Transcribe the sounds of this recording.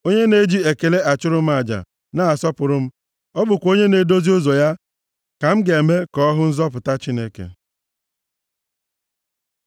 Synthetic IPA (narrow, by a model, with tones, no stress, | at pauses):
o˦ɲe˦ne˦d͡ʒi˦e˨ke˨le˦a˨t͡ʃʊ˦ɾʊ˦m̩˦a˨d͡ʒa̰˨ | na˦a˨sɔ˦pʊ˨ɾʊ˦m̩˦ | ɔ˦bʊ˨kʷo˦ɲe˦ne˨do˦zi˦ʊ˦zo˨ja˦ | ka˨m̩˦ɡe˨e˨me˦kɔ˦ɔ˦ɦʊ˦n̩˦zɔ˦p̬ʊ˨ta˦t͡ʃi˦ne˦kḛ˨